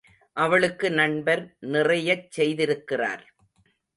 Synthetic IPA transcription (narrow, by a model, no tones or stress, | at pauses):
ʔɐʋɐɭɯkːɯnɐɳbɐɾnɪrɐjɐt͡ʃːsɛjðɪɾɯkːɪra̰ːɾ